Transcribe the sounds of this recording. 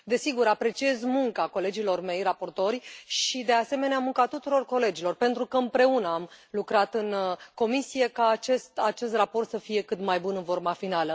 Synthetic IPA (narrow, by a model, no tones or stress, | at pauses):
d̪e̞siɡuɾapɾe̞t͡ʃie̞zmuŋkako̞le̞d͡ʒilo̞rme̞jrapo̞rt̪o̞rʲjʃid̪e̞ase̞me̞neamuŋkat̪ut̪uɾo̞rko̞le̞d͡ʒilo̞rpent̪ɾukəɨmpɾe̞unəamlukɾat̪ɨnko̞misije̞kaːt͡ʃe̞st̪at͡ʃe̞s̬t̪rapo̞rt̪səfije̞kɨt̪majbunɨnvo̞rmafinalə